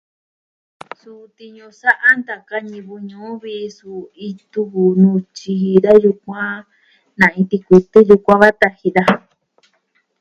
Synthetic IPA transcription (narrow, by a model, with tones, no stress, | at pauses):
su˧t̪i˧ɲũ˧sa˦ʔa˦nd̪a˨ka˦ɲĩ˧βu˧ɲũː˨˦βi˧su˧i˧t̪u˦βu˨nũ˧t͡ʃi˧ɦi˧ða˦ju˧kʷã˦ | nã˨ĩ˧t̪i˧kʷi˧t̪ɨ˦ju˧kʷã˦βa˦t̪a˧hi˧ða˦